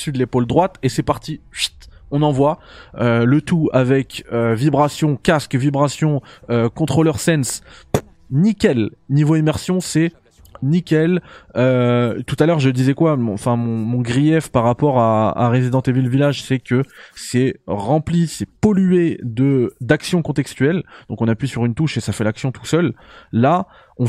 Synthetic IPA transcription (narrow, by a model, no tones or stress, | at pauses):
syd̪əlepold̪ʁwat̪esɛpaʁt̪ivit̪ɔ̃nɑ̃vwaølət̪uavɛkøvibʁasjɔ̃kaskvibʁasjɔ̃økɔ̃t̪χolœʁsɛns | nikʲɛlnivoimɛʁsjɔ̃sɛ | nikʲɛløt̪ut̪alœʁʒəd̪izɛkwamɔ̃fɛ̃mɔ̃mɔ̃ɡʁijɛfpaʁːapɔʁaa̰ʁezid̪ɑ̃t̪evilvilaʒsɛkəsɛʁɑ̃plisɛpɔlyed̪əd̪aksjɔ̃kɔ̃t̪ɛkst̪yɛld̪̥ɔ̃kɔ̃napɥisyʁynt̪uʃesafɛlaksjɔ̃t̪u̥sœlːa | ɔ̃